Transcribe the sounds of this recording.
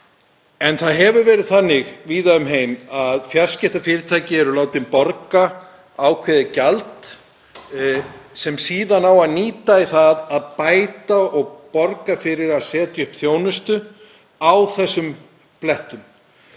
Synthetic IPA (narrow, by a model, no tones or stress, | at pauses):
ɛnθaðɦɛvʏɾvɛːɾɪðθanːɪɣviːðaʏmɦeːjmaðfjascɪht̪afɪːɾɪɾt̪ʰaːjcɪɛɾʏlaːwt̪ɪmpɔɾka | aːwkʰvɛðɪcalt̪ | sɛmsiːðanawaðniːt̪aiθaðaðpaːjt̪aɔɣpɔɾkafɪɾɪɾaðsɛːt̪jʏhpθjoːwnʏst̪ʏ | awθɛsːʏm | plɛht̪ʏm